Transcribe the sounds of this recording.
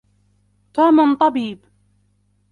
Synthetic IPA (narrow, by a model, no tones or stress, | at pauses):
t̪aːmʊnt̪ˤɑbiːb